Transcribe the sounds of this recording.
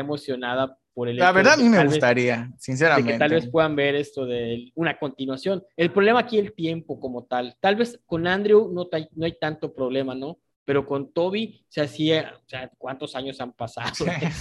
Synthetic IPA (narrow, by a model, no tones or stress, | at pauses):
emo̞sjo̞naða | po̞ɾelelaβeɾðaamimeɣluβset̪aɾiasins̬eɾamekẽnt̪alβe̞spwe̞ðambe̞ɾe̞st̪o̞ðeunako̞nt̪inwasjo̞ne̞lpɾoβle̞maːkielt̪je̞mpo̞ko̞mo̞t̪alt̪alβe̞sko̞nand̪ɾjunot̪ajno̞ajt̪ant̪o̞pɾoβ̞le̞mano̞ | pe̞ɾo̞ko̞nt̪o̞β̞i | seasioseakwant̪o̞saɲo̞sampasa̰ðo